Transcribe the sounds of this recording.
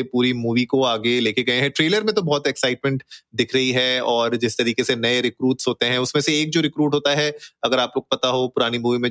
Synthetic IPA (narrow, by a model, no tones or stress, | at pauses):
puːɾimuːʋikoaːɡeleːkʰeɡɐẽɦɛ̃ʈɾeːləɾmẽt̪̬obɔːt̪ɛksaɪʈ̚mɛ̃ɳʈd̪ɪkʰɾɐɦiɦɛɔːɾd͡ʒɪst̪ɐɾiːkesenɐeɾɪkɾuːʈsɦoːt̪eɦɛ̃ʊsmẽseeːk̚d͡ʒoːɾɪkɾuːʈɦoːt̪aɦɛɐɡəɾaːploːɡopɐt̪aɦopʊɾaːnimuːʋimẽ